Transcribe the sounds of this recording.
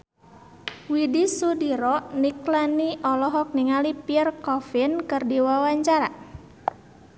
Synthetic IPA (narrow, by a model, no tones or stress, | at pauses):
widisudiɾɔʔniklaniʔɔlɔɦɔk̚niŋalipiərkɔfinkɨrdiwawaɲt͡ʃaɾa